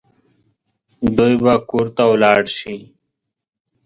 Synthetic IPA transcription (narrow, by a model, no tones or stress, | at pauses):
d̪ujbakuɾt̪awlɑːɽʃi